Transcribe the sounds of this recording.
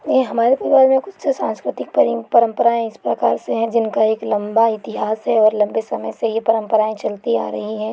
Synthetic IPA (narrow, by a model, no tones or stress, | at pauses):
jɦɐmaːɾepɐɾiʋaːɾmẽkʊt͡ʃʰsesãːnskɾɪt̪ɪk̚pɐɾipɐɾə̃mpəɾaːẽɪspɾɐkaːɾseɦɛ̃d͡ʒɪnkaeːklɐ̃mbaɪt̪ɪɦaːsɦɛɔːɾlɐ̃mbesɐməjsejepɐɾə̃mpəɾaːẽt͡ʃɐlt̪ia̰ːɾɐɦiɦɛ̃ː